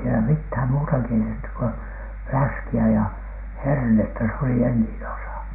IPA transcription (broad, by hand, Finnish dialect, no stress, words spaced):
sielæ mithæm muːtɑ keitetːyk ko flæskiæ jɑ hernetːæ se oli enːiːn osɑ